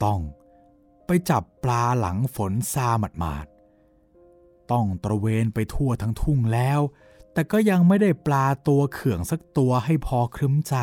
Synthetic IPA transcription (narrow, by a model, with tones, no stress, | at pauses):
t̪ɔ˥˩ŋ | pa˧jt͡ɕa˨˩pːlaː˧la̰˩˦ŋfo˩˦nsaː˧ma˨˩t̪̚ma̰ː˨˩t̪̚ | t̪ɔ˥˩ŋt̪ɾa˧weː˧npa˧jt̪ʰu˥˩ɐt̪ʰa˦˥ŋt̪ʰu˥˩ŋlɛː˦˥w | t̪ɛː˨˩kɔː˥˩ja˧ŋma˥˩jda˥˩jplaː˧t̪u˧ɐkʰɯ˨˩əŋsa˧˦˥k̚t̪u˧ɐɦa˥˩jpʰɔː˧kʰɾɯ˦˥mt͡ɕa˧